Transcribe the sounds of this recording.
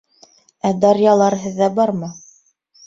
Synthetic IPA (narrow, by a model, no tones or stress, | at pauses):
æd̪ɑɾjɑlˠɑɾɦɘ̆ðːæbɑɾmɤ